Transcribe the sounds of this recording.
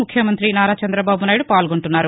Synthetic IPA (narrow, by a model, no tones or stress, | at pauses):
mukʰjɐmɐnt̪ɾinaːɾaːt͡ʃɐnd̪ɾɐbaːbunaːjiɽupaːlɡo̞ɳʈunːaːɾu